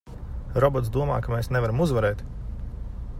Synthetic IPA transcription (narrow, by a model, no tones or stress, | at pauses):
ɾɔbɔt̪s̬d̪uɔma̰ːkameːsnevaɾamuzvaɾɛːt̪